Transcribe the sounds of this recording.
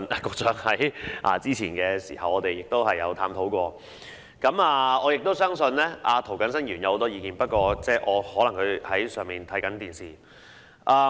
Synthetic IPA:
na˨kʊ˧k̚t͡sœː˨˥ŋhɐ˨˥jʔa̰ː˧˩t͡siː˥t͡sʰiː˨˩nkɛː˧sḭː˨˩hɐ˨wɔː˨˧t̪e˨jɪ˨k̚t̪o˥whɐ˨jːɐ̰˨˧wt̪ʰaː˧mt̪ʰo˨˥wkʷɔː˧ | kɐ˨˧˥maː˨ɔː˨˧jɪ˨k̚t̪o˥wsœː˥ŋsɵ˧nlɛː˥ʔaː˧t̪ʰo˨˩wkɐ˨˧nsɐ˥njyː˨˩njɐ˨˧who˨˧wt̪ɔː˥jiː˧kiː˨˩npɐ˥t̚kʷɔː˧t͡sɛː˥˩ʔɔː˨˧hɔː˨˥lɐ˨˩ŋkʰɵ˨˧ɥhɐ˨˥jsœː˨ŋmiː˨nt̪ʰɐ˨˥jkɐ˨˥nt̪iː˨˩nsiː˨˩ | ʔaː˧

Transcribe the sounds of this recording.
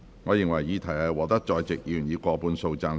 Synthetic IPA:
ŋɔː˨˧jɪ˨ŋwɐ˨˩jːiː˨˧t̪ʰɐ˨˩jɐ˧wɔː˨˧t̪ɐ˥k̚t͡ʃɔː˧jt͡sɪ˨k̚ji˨˩njiː˨˧kʷɔː˧puː˧nso˧wt͡saː˧n

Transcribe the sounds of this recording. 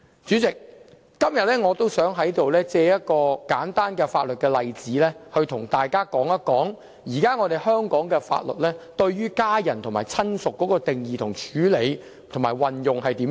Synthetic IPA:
t͡syː˨˥t͡sɪ˨k̚ː | ɐ˥mjɐ˨t̚lɛː˥ŋɔː˨˧t̪o˥wsœː˨˥ŋɦɐ˨˥jt̪o˨wlɛː˥t͡sɛː˧jɐ˥t̚kɔː˧kaː˨˥nt̪aː˥nkɛː˧fa̰ː˧t̚lɵ˨t̚kɛː˧lɐ˨jt͡siː˨˥lɛː˥hɵ˧ɥt̪ʰʊ˨˩ŋt̪aː˨jkaː˥kɔː˨˥ŋɐ˥kɔː˨˥ŋ | jiː˨˩kaː˥ŋɔː˨˧t̪e˨jɦœː˥ŋkɔː˨˥ŋkɛː˧fa̰ː˧t̚lɵ̰˨t̚lɛː˥t̪ɵ˧ɥɥyː˥kaː˥jɐ˨˩nt̪ʰʊ˨˩ŋmaː˨˩jt͡sʰɐ˥nsʊ˨kːɔː˨˦˥kɔː˧t̪ɪ˨ŋjiː˨t̪ʰʊ˨˩ŋt͡ʃʰyː˨˥le˨˧j | t̪ʰʊ˨˩ŋmaː˨˩jwɐ˨˩njʊ˨ŋɦɐ˨jt̪iː˨˥m

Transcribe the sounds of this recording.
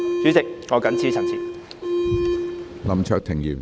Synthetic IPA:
t͡syː˨˥t͡sɪ˨k̚ŋɔː˨˧kɐ˨˥nt͡sʰiː˨˥t͡sʰɐ˨˩nt͡sʰḭː˨˩ | lɐ˨˩mt͡ʃʰœː˨k̚t̪ʰɪ˨˩ŋjyː˨˩n

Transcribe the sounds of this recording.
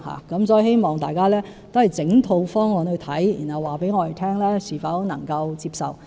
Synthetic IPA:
ha̰ː˨kɐ˨˥msɔː˨˥ji˨˩he˥jmɔː˨˩ŋt̪aː˨jkaː˥lɛː˥ | t̪o˥whɐ˨˩jt͡sɪ˨˥ŋt̪ʰo˧wfɔː˥ŋlɔ˨˧nhɵ˧t̪ʰɐ˨˥jjḭː˨˩nhɐ˨˩wːaː˨pe˨˥jŋɔː˧t̪e˨˩jt̪ʰɛː˥ŋlɛː˥siː˨˩fɐ˨˧˥wnɐ̰˨˩ŋkɐ˧wt͡siː˧p̚sɐ˨w

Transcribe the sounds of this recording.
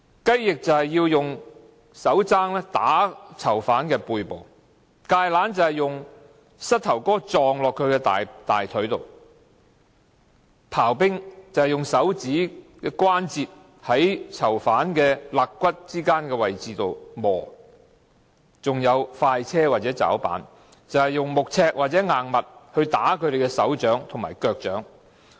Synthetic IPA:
kɐ˥jːɪ˨k̚t͡sɐ˨whɐ˨jːiː˧wjʊ˨ŋ | sɐ˨˥wt͡saː˥ŋlɛː˥t̪aː˨˥t͡sʰɐ˨˩wfaː˨˥nkɛː˧puː˧jpo˨w | kaː˧jlaː˨˥nt͡sɐ˨˧hɐ˨jʊ˨ŋ | sɐ˥t̚t̪ʰɐ˨˩wkɔː˥t͡sɔː˨ŋlɔː˨kʰːɵ˨˧ɥkɛ˧t̪aː˨jt̪a̰ː˨jt̪ʰɵ˨˥ɥt̪o̰˨w | pʰaː˨˩wpɪ˥ŋt͡sɐ˨whɐ˨jʊ˨ŋsɐ˨˥wt͡siː˨˥kɛː˧kʷwaː˥nt͡siː˨t̚ | hɐ˨˥jt͡sʰɐ˨˩wfaː˨˥nkɛː˧laː˨˩kkʷːɐ˥t̚t͡siː˥kaː˥nkɛː˧wɐ˨jt͡siː˨t̪o˨wmɔː˨˩ | t͡sʊ˨ŋjɐ˨˧wfaː˧jt͡sʰɛː˥waː˨t̚t͡sɛː˨˥t͡sa̰ː˨˥wpa̰ː˨˥n | t͡sɐ˨˧whɐ˨jʊ˨ŋmʊ˨k̚t͡sʰɛː˧k̚wʔaː˨t̚t͡sɛː˨˥ŋaː˨˩ŋmɐ˨t̚hɵ˧ɥt̪aː˨˥kʰɵ˨˧ɥɾe˨jkɛ˧sɐ˨˥wt͡ʃœː˨˥ŋt̪ʰmaː˨˩jkœː˧k̚t͡ʃœː˨˥ŋ

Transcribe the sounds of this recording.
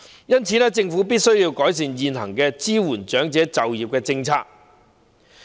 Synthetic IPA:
jɐ˥nt͡sʰi˨˥nɛ˥t͡sɪ˧ŋfu˨˥piː˥t̚sɵ˥ɥjiː˧wkɔː˨˥js̬iː˧ŋjiː˨˧nhɐ̰˨˩ŋkɛː˧t͡siː˥wuː˨˩nt͡ʃœː˨˥ŋt͡sɛː˨˥t͡sɐ˨wjiː˨˩p̚kɛː˧t͡sɪ˧ŋt͡sʰaː˧˥k̚

